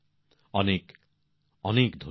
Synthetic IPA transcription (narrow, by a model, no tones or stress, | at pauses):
ɔnek | ɔnekd̪ʱo